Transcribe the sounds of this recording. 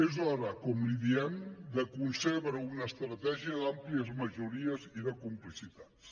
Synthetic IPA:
ezaɾakɔmliðiɛnd̪əkunseβɾəunəst̪ɾət̪ɛʒiəðampliəzməʒuɾiəziðəkumplisit̪at

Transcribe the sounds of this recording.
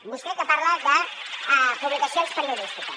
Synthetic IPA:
busket̪apaɾlaðə | puβlikasiõnspəɾjoðist̪ika

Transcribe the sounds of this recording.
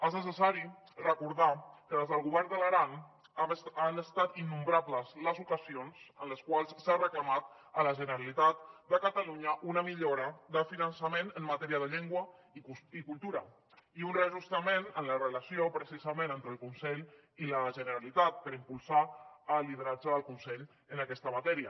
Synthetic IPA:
eznəs̬əsaɾi | rəkuɾðakəðezðəlˠɣuβɛrnd̪ələɾan | anəst̪at̪inːumbɾabləzləzukəsionsənləskwalˠssarəklamat̪ | ələʒənəɾalit̪at̪d̪əkət̪aluɲəʔunəmiʎoɾəðəfinənsəmenənmat̪ɛɾiəðəʎeŋɡwə | ikulˠt̪uɾə̰ | iunreəʒust̪əmenənlərələsiopɾəsizəmẽnent̪ɾəlˠkunsɛʎ | iləʒənəɾalit̪at̪̚pəɾimpulˠsaəlːið̞əɾad͡ʒəðəlˠkunsɛʎ | ənakɛst̪əmat̪ɛɾiə

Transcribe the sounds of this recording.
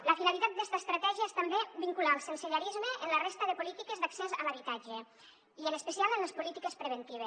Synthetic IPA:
ləfinalit̪at̪d̪ɛst̪aest̪ɾat̪ɛʒiaest̪ambebiŋkulalˠsensiʎaɾizməʔenlərest̪əðəpulit̪ikezd̪aksɛzamaβit̪ad͡ʒe | iənəspesialˠenlespulit̪ikespɾeβent̪iβ̞es

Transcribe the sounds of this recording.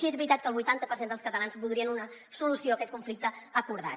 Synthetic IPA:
iɛzβɾit̪at̪̚kəːlˠβujt̪ant̪əpəɾsend̪əlˠskət̪əlanzbulˠd̪ɾiənunə | sulusioəkɛt̪kuɱflik̚t̪əəkuɾða̰

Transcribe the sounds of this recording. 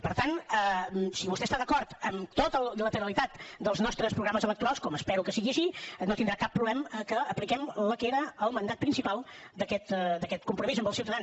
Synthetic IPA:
pəɾt̪anəsiβust̪ɛst̪aðəkɔɾt̪əmt̪ot̪əlˠlət̪əɾəlit̪at̪d̪əlˠznɔst̪ɾəspɾuɣɾaməzələkt̪uɾalˠskɔməspɛɾukəsiɣiəʃinot̪ind̪ɾakapːɾuβlɛməkəəplikɛmləkeɾəːlˠmənd̪at̪̚pɾinsipalˠd̪əkɛt̪d̪əkɛt̪̚kumpɾumizəmbəlˠsiwt̪əðan

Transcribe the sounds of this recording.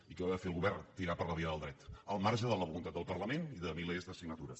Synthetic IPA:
ikəaðəfeəlˠɣuβɛrt̪iɾapəɾləβiəðəlˠd̪ɾɛt̪əlˠmarʒəðələβulunt̪at̪̚d̪əlˠpərləmeniðəmilezðəsiɡ̚nət̪uɾə

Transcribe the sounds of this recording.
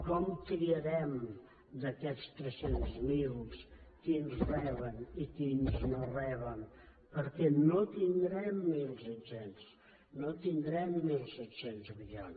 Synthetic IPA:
kɔmkɾiəɾɛm | d̪əkɛtst̪ɾəsenzmilˠskinzrɛβənikinznorɛβən | pəɾkɛnot̪ind̪ɾɛmːilˠzet̪sens | not̪ind̪ɾɛmːilˠsɛt̪senzmiʎa̰n

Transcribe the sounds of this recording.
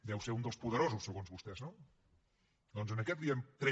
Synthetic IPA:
d̪ɛwseɾund̪əlˠspuðəɾozusːəɣonzβust̪ɛzno | d̪ɔnzənəkɛt̪̚d̪iəmt̪ɾɛ

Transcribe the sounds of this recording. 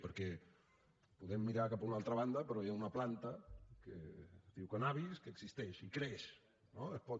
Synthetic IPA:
pəɾkɛ | puðɛmːiɾakapaunalˠt̪ɾəβand̪əpəɾɔaunɐplant̪əkə̰ðiwkanaβiskəːɡsist̪ɛʃikɾeʃ | noepɔt̪

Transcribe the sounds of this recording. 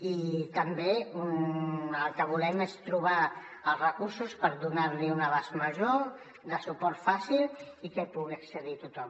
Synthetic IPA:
it̪əmbeunəlˠkəβulɛmest̪ɾuβ̞a | əlˠzrəkuɾsuspəɾðunaɾliunəβazməʒo | d̪əsupɔɾt̪fasilˠ | ikɛpuɣiəksəðit̪ut̪ɔm

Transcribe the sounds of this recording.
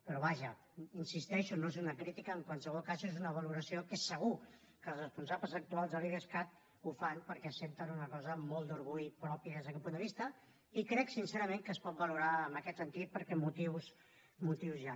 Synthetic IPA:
pəɾɔβaʒə | insist̪ɛʃunoezunəkɾit̪ikəːŋkwansəβ̞ɔlˠkazezunəβəluɾəsiokesəɣ̞u | kəlˠzəspunsabləzək̚t̪ualˠzðəβiɾəskat̪̚ | ufanpəɾkɛəsent̪ənunəkɔzəmolˠd̪uɾɣuʎpɾɔpiəðezðəkɛlˠpund̪əβist̪ə | ikɾɛksinseɾəmeŋkəspɔt̪̚bəluɾaəmbəkɛt̪sənt̪it̪̚pəɾkɛmut̪iws | mut̪iwzʒa

